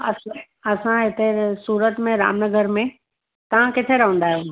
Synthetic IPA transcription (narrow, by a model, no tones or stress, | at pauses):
ɐs | ɐsãɦɪt̪esuːɾət̪mẽɾa̰ːmnəɡəɾmẽ | t̪ɐʋ̤ãkɪt̪ʰeɾɐɦə̃ːnd̪aːɦijũ